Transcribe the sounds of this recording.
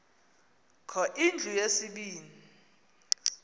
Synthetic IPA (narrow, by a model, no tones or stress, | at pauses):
kʰɔʔind͡ɮʱujesiɓiːni